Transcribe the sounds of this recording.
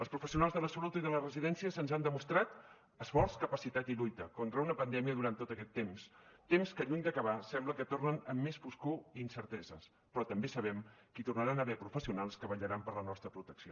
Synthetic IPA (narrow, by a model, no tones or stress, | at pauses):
əlˠspɾufəsiunalˠzðələsəlut̪iðələrəziðɛnsiəsənzand̪əmust̪ɾat̪ | əsfɔrskəpəsit̪at̪iʎujt̪əkont̪ɾəunəpənd̪ɛmiəðuɾant̪ot̪əkɛt̪ːemst̪emskəʎuɲd̪əkəβ̞asɛmbləkət̪ornənəmːesfuskuinsəɾt̪ɛzəs | pɾɔt̪əmbesəβɛmkit̪urnəɾanəβɛpɾufəsiunalˠskəβəʎəɾampəɾlənɔst̪ɾəpɾut̪əksio